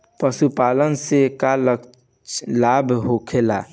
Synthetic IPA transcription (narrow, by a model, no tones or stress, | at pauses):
pəsupalənsekalək | labɦokʰela̰